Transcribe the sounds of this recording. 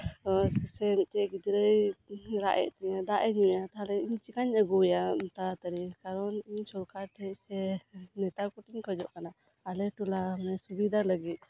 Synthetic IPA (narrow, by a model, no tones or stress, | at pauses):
sɛmit͡ʃɛʔɡid̪ɾəjɾaʔɛ̰ʔt̪ɛɲad̪aʔɛɲuʔjat̪aɦalɛiɲt͡ʃikaɲəɡujant̪at̪əɾikaɾɔniɲt͡ʃɔɾkaɾt̪ʰɛc̚sɛnɛt̪akuʈiɲkɔd͡ʒɔʔkana | alɛt̪ulamɛsubid̪aləɡit̪̚